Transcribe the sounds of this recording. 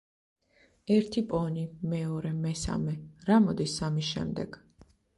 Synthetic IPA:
ɛɾt̪ʰipʼɔnimɛɔɾɛmɛsa̰mɛɾamɔd̪isamiʃɛ̰md̪ɛɡ̥

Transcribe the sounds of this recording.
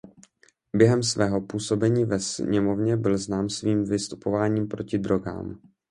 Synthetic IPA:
bjɛɦɛmsvɛːɦo̞puːso̞bɛɲiːvɛsɲɛmo̞vɲɛbɪlznaːmsviːmvɪst̪u̥po̞vaːɲiːmpɾo̞cɪdɾo̞ɡa̰ːm

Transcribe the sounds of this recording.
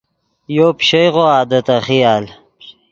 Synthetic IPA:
joːpɕejʁoaːd̪ɐt̪ɐχijaːl

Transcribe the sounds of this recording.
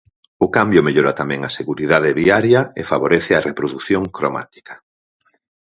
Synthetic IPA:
ʊkambjʊmeʎoɾat̪amɛ̃ŋɐseɣuɾiðaðɪβiaɾjɐḛfaβoɾeθɪarepɾoðuθjoŋkɾoma̰t̪i̥kɐ̥

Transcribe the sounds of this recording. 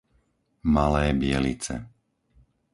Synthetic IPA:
malɛːbɪɛlit͡sɛ̰

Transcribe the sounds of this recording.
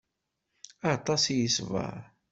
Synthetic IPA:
ɑt̪ˤɑsjəsvə̰ʁ

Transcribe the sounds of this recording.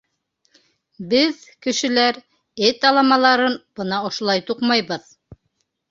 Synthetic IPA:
bɘðkɘ̆ʃɘ̆læɾ | et̪ɑlˠɑmɑlˠɑɾɤnbɤnɑŏʃŏlˠɑjt̪uqmɑjβɤð

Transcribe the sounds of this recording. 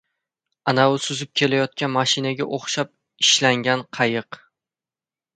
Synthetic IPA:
anaʊsʊzɪp̚kʲʰe̞lajɒt̪̚kʲanmaʃɪnaɡʲaʔoχʃap̚ | ɪʃlaŋɡʲanqʰɑjɨq

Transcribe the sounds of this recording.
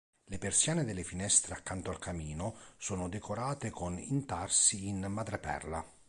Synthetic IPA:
lɪpersjaːnɪd̪ɪlːɪfinɛst̪ɾeakːant̪oalkʰamiːnosɔːnʊd̪ɛkʰoɾaːt̪ekonint̪arsiːnmad̪ɾapɛ̰rla

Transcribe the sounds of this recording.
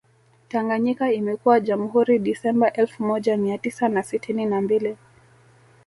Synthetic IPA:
taŋɡaɲikaimɛkuwaʄamuhuɾiɗisɛmbaʔɛlfumɔʄamiatisanasitʰininambili

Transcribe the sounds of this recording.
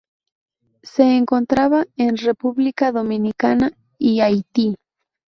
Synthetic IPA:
se̞ːŋko̞nt̪ɾaβaenre̞puβlikaðo̞mĩnikana | iajt̪i

